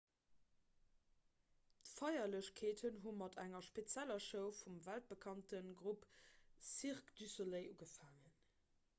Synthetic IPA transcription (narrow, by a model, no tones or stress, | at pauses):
tfɑɪjɐləɕkʰeːtʰənɦumɑtʰæŋɐʃpet͡sjælɐʃəʊfumvælt̚bəkʰɑntənɡʁupsiʁkd̥ysoleɪʔuɡəfaːŋən